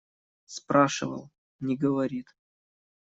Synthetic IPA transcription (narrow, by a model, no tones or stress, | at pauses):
spɾaʂɨ̰və̰lˠ | nʲɪɡəvɐɾʲit̪